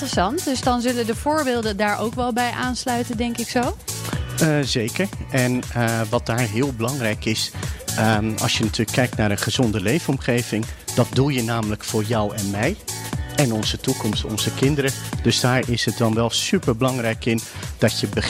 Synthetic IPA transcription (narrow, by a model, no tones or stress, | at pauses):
əsɑntdɵsdɑnzɵləndəv̥ʊːɹbɪːlˠdəndaːɹʔowkʋɛlˠbɛjʔaːnslœɥtəndɛŋkɪksow | zejkəɹɛnʋɑt̚d̥aːɹɦɪːəlˠbəlɑŋrɛjkɪs | ɑ̰lˠsjənatʰyːləkʰːɛjk̚tnaːɾənχəzɔndəlejvɔmχejvɪŋd̥ɑt̚dulˠjənaːmələkfʊːɹjɔwɛnmɛjɛnɔnzətukɔmstɔ̰nz̥əkɪndəɾəd̥ɵsdaːɹɪsət̚dɑnʋɛlˠsypəɹbəlɑŋrɛjkɪnd̥ɑtjəbə